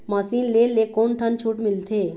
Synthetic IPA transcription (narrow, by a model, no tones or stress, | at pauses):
məsiːnlelːekonʈʰənt͡ʃʰuːʈmilt̪ʰe